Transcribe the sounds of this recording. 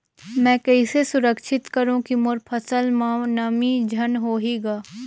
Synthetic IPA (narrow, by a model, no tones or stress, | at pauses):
mɛ̃ːkɛisesʊɾəkʃɪt̪kɐɾũkimoɾpʰɐsəlmanɐmid͡ʒʱɐnɦoːɦiɡaː